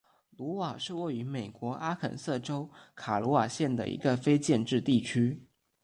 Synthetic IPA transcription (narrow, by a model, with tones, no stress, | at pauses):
lu˧˥wa˨˩ʂɻ̩˥˧we˥˩ɪy˧˥me˨˩ɪkwɔ˧˥ʔa˥kʰə̰˨˩nsɤ˥˩ʈ͡ʂo˥ʊkʰa˨˩lɔ˧˥wa˨˩ɕjɛ˥˩nd̪ə̰˩ʔḭ˧˥ɡə˧fe˥ɪt͡ɕjɛ˥˧nʈ͡ʂɻ̩˥˧t̪i˥˩t͡ɕʰy˥